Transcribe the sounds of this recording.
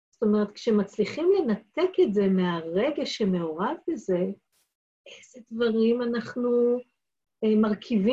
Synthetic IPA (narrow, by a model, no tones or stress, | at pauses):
zt̪o̞meʁet̪kʃemat͡sliχimle̞nat̪eketze̞meaʁe̞ɡeʃeme̞oʁavbeze̞ | ʔejzedvaʁimanaχnu | emaʁkʰivi